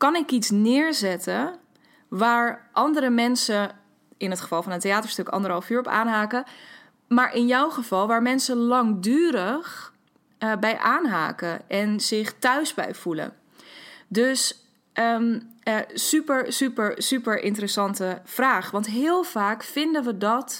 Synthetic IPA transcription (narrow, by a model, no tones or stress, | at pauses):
kɑnɪkitsnɪːɹzɛtə | ʋaːɹʔɑndəɾəmɛnsə | ɪnɦətχə̥vɑlˠfɑnəteaːtəɹstɵkɑ̰ndəɾəɑlfyːɹɔpa̰ːnɦaːkə | maːɹʔɪnjɔwχəv̥ɑlˠʋaːɹmɛnsəlɑŋdyːɾəχ | bɛjʔaːnɦa̰ːkəʔɛnzɪχtœɥzbɛ̰jv̥ulə̰ | døs | ə | sypəɹsypəɹsypəɹʔɪ̰ntərəsɑntəv̥raːχʋɑntɦɪːlˠv̥aːkfɪndəʋədɑt